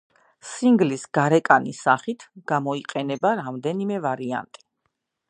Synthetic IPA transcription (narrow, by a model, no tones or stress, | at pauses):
siŋɡlisɡ̥aɾɛkʼanisaχit̪ʰɡ̥amɔiqʼɛnɛbaɾamd̪ɛnimɛvaɾia̰nt̪ʼi̥